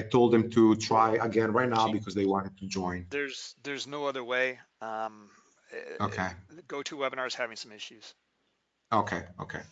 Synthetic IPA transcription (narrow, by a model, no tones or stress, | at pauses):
aɪt̪ʰoʊlˠd̪ðɨ̃mt̪ʰutʰɹaɪəɡɛ̃nɹaɪt̚ⁿnaʊbikʰɔzðeɪwɑ̃ntɨd̚t̪ud͡ʒɔ̃ɪ̃nðə˞zðə˞znoʊʌðə˞weɪʌ̃m | okʰeɪɡoʊɾʰɨwɛbə̃nɑɹz̥hævɪ̃ŋsʌ̃mɪʃʉz̥ | oʊkʰeɪo̰ʊkʰeɪ